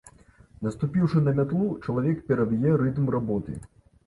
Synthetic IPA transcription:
nɐst̪upʲiwʂɨnɐmʲat̪lˠut͡ʂɐlˠavʲɛkpʲɛɾɐvʲijɛɾɨt̪mrabɔt̪ɨ̰

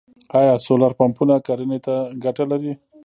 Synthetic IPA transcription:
ɑjɑsolaɾpampunakaɾənet̪aɡaʈalaɾi

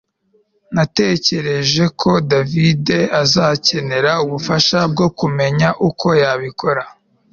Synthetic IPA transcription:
nate̞ːce̞ɾe̞ʒe̞kʰo̞davide̞azaːce̞ne̞ɾauβufaʃab̚ɡo̞kume̞ɲaʔukʰo̞jaβikʰo̞ɾa

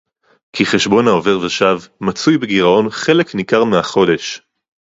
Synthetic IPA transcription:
kʰiχe̞ʃbo̞nao̞ve̞ʁveʃavmat͡sujbeɡiʁao̞nχe̞le̞knikaʁmeaχo̞de̞ʃ

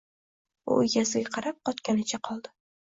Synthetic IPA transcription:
ʊ̰jazɪɡʲaqʰɑɾap̚qɒt̪kʲanɪt͡ʃʰaqʰɒlˠd̪ɪ

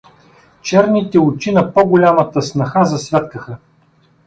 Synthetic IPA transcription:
t͡ʃɛɾnit̪ɛʊt͡ʃinɐpɔɡʊlʲamət̪əsnɐxazɐsvʲat̪kəxə

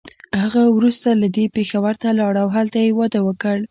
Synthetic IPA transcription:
haɣawɾust̪alad̪epexawaɾt̪alɑɽawɦalt̪ajewɑd̪awəkəɽ

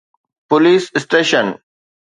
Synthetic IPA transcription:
poliːssʈeːʃə̃n

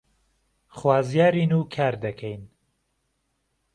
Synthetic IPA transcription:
χwaːzjaːɾiːnuːkʰaːɾd̪ɐkʰɛjn

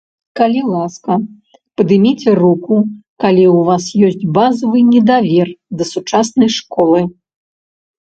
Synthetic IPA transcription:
kɐlʲilˠaskɐ | pɐd̪ɨmʲit͡sʲɛrukukalʲiwvasjɔsʲt͡sʲbazɐvɨnʲɛd̪avʲɛrd̪ɐsut͡ʂasnɐjʂkɔlˠɨ

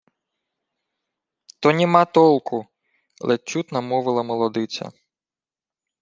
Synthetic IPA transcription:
t̪ɔnʲimɑt̪ɔlˠkʊ | lˠʔet͡ʃːut̪nɐmɔʋɪlˠɐmɔlˠɔd̪ɪt͡sʲɐ̰

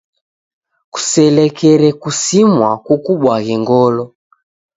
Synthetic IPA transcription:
ku̥sɛlɛkɛɾɛkusimwakukuɓwaɣɛŋɡɔlɔ

